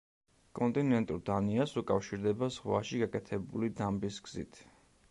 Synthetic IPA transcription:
kʼɔnt̪ʼinɛnt̪ʼuɾd̪aniasukʼafʃiɾd̪ɛbazʁwaʃiɡakʼɛt̪ʰɛbulid̪ambisɡz̥ḭt̪ʰ

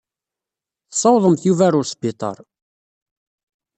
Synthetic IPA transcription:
θsˤɑwðˤəmθjuvæɾʊɾsbit̪ˤɑ̰ɾˤ

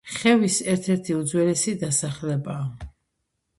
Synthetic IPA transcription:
χɛvisɛɾt̪ʰɛɾt̪ʰiud̪zwɛlɛsid̪asaχlɛbaː

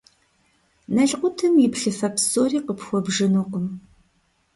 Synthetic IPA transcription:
nɐɮqʷʊtʰɨmjɪpɬɨfɐpʰsoːriːqəpxʷɔbʐɨnuqʷʊm

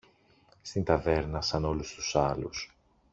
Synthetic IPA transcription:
st̪int̪ɐve̞ɾnɐsɐno̞lust̪u̥sɐlṵs

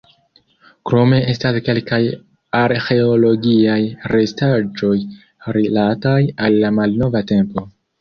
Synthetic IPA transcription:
kɾo̞me̞e̞staske̞lkaj | aɾxe̞olo̞ɡiajɾe̞stad͡ʒo̞j | ɾilatajalːamalno̞vate̞mpo̞

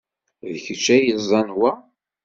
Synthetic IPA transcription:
ðçət͡ʃːæjəzˤɑnwæ

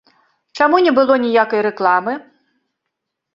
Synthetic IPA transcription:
t͡ʂamunʲɛbɨlˠɔnʲijakɐjɾɛklˠamɨ

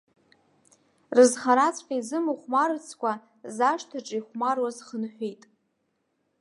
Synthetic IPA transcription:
rɨzχaɾat͡sʰʼħʲaizɨmɨχʷmart͡sʰkʷʰa | zaʂtʰaʈ͡ʂʼiχʷmarwazχənħʷᶣijtʼ

